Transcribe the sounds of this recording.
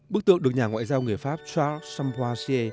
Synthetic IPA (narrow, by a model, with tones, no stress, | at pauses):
ɓɨ˦˥k̚t̪ɨ̰˧˨əŋɗk̚ɲaː˨˩ŋwa̰ː˧˨jzaː˧wŋɨ˨˩əjfaː˦˥p̚t͡ɕaː˦˥sa˧mpaː˧si˧e˧